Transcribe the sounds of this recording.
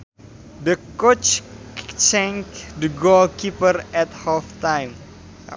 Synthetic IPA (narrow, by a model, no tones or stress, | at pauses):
d̪əkot͡ʃ | t͡ʃɛŋkd̪əɡɔlkipərɛt̪hɔft̪ajm̰